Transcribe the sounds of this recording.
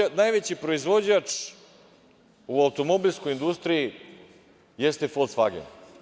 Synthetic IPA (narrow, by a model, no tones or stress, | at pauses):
najʋet͡ɕipɾo̞izʋo̞d͡ʑat͡ʂ | uaut̪o̞mo̞bilʲsko̞jind̪ust̪ɾiji | jest̪efolsfa̰ɡḛn